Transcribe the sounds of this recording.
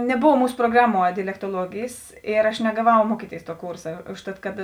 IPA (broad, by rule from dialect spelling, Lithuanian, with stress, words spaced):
nʲɛˈboːw ˈmuːsʊ proːˈɡrɑːˌmuɔ dʲɛlʲɛktuɔˈlˠuɔɡʲeːjeːs ˈɪr ɐʃ nʲɛɡɐˈʋɐʊ ˈmuɔkʲiːˌtʲeːɪs tuɔ ˈkuːrsɐ ˈʊʃˌtɐt kɐt